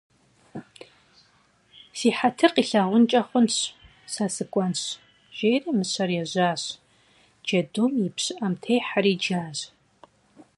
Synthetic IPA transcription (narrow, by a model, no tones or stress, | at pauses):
siːħatʰɨrqiɬɐʁʷʊnt͡ʃʼɐχʷʊnɕ | sasɨkʷʼɔnɕ | ʒ̥ejrimɨɕʰɐrjɛʑʷaːɕ | d͡ʒɐdumjɪpɕɪʔɐmtʰejħaɾiːd͡ʒaːz